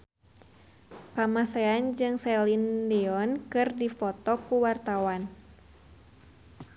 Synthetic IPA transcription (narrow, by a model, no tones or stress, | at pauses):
kamasɛand͡ʒɨŋsɛlindiɔnkɨrdifɔt̪ɔkuwart̪awan